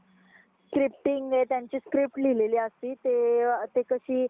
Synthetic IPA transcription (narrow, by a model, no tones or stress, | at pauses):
skɾip̚ʈiŋɡet̪jaɲt͡ɕiːskɾip̚ʈlʱileliːəst̪iːt̪et̪ekəɕiː